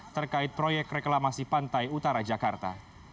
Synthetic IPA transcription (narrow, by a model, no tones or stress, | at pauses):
t̪ərkaɪt̪̚pɾojɛk̚reklamasipant̪ajut̪aɾad͡ʒakart̪a̰